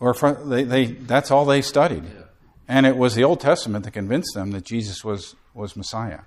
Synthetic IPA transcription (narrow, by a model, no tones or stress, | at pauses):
ə˞fʌðeɪðeɪðætsɔlˠðeɪstʌɾḭd | ɨ̃ɾ̃ɪt̚wʌzðioʊlˠd̚tʰɛstəmɨ̃ntʰɨt̚kɨ̃ɱvɪ̃nsðɨ̃mðɨt̚d̥ʒ̥izɨswʌz̥ | wʌzməsaɪɨ̰